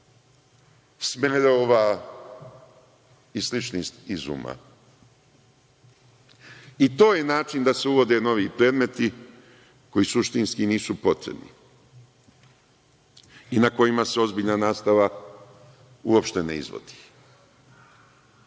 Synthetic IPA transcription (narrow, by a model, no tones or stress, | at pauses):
smeeloːʋa | islit͡ʃnisizṵːma̰ | it̪o̞ːje̞naːt͡ʃind̪ase̞uʋo̞d̪e̞no̞ʋiːpɾe̞ːd̪me̞t̪i | ko̞jisuʃt̪inskiniːsupo̞t̪ɾḛbnḭ | inako̞jimase̞o̞zbiːʎnanaːst̪aʋa | uopʃt̪e̞nḛḭzʋo̰d̪̥i̥